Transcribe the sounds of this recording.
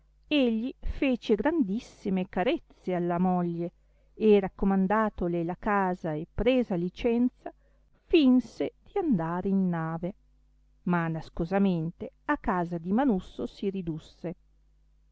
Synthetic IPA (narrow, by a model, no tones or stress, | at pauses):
eʎːifeːt͡ʃeɡɾand̪isːimekaɾet̪sːealːamɔʎːe | erakːomand̪aːt̪olelakaːzaepːɾeːzalit͡ʃɛnt̪sa | finsed̪̥iand̪aːɾeinːaːve | manaskozament̪eakːaːzad̪imanusːosiɾid̪usːe